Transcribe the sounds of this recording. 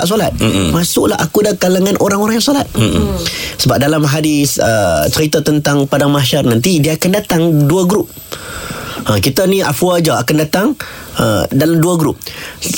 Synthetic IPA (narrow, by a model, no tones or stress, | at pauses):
ʔs̬olat̪̚masʊʔlaɦa̰kudakalaŋãnʔoɾaŋoɾaŋjaŋsolat̪̚ | səbap̚dalamɦadɪsə̰t̪əɾit̪ət̪ənt̪aŋpadaŋmaʃarnãnt̪idiəːkandat̪aŋduaɡɾup̚ | əkit̪ənĩʔa̰fuad͡ʒaakandat̪aŋə̰dalamduaɡɾup̚